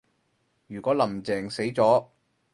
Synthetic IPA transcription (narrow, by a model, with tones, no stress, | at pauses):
jyː˨˩kʷɔː˨˥lɐ˨˩mt͡sɛː˨˩ŋse˨˥jt͡sɔː˨˥